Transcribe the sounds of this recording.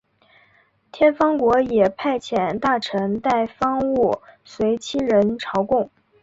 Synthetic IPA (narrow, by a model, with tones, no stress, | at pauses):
t̪ʰjɛ˥nfɑ˥ŋkwɔ˧˥jɛ˨˩pʰa˥˩ɪt͡ɕʰjɛ˨˩nt̪a˥˩ʈ͡ʂʰə˧˥ŋt̪a˥˩ɪfɑ˥ŋu˥˩ | swe˧˥ɪt͡ɕʰi˥ɻə˧˥nʈ͡ʂʰɑ˧˥ʊkʊ˥˩ŋ